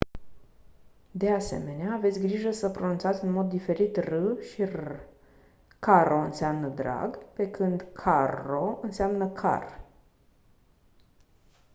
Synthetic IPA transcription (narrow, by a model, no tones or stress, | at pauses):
d̪e̞ase̞̰me̞neaːve̞t̪sʲɡɾiʒəsəpɾo̞nunt̪at̪sʲɨnmo̞d̪ːife̞ɾit̪rɨʃir | kaɾʔo̞ɨnseamnəd̪ɾa̰ɡpe̞kɨnd̪kʰaro̞ɨnseamnəkʰa̰r